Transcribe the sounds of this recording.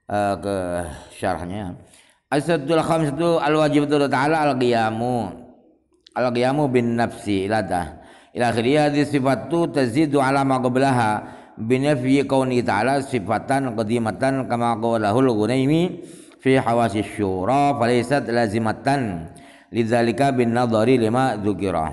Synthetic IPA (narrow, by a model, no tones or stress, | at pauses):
ʔəkəʃa̰ɾ̰hɲa | ʔasat̪ːualxamsat̪ualwad͡ʒibat̪udat̪aʕalaːlqijamu | ʔalqijamubɪnːafsiilad̪a̰ | ʔilaʔːxiɾijaɦad̪isifat̪ːut̪azid̪ʕalamaqɑblaɦa | bɪnafjikawnihit̪aʕa̰lasifat̪anqɑd̪imat̪ankamaqɑwalaɦʊlɣunajmi | fiħawasiaʃːuɾˤɑfalajsat̪lazimat̪an | lɪðalɪkabɪnːɑðˤɑɾilimaðʊkɪɾa̰